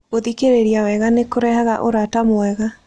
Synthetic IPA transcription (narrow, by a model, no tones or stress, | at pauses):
ɣoðikeɾeɾiawɛɣanekoɾɛhaɣaʔoɾatamoɛɣa